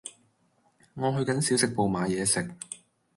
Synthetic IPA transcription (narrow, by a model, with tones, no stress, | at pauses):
ŋɔː˨˧ɦɵ˧ɥkɐ˨˥nsiː˨˥wsɪ˨k̚po˨˧wmaː˨˧jɛː˨˧sɪ˨k̚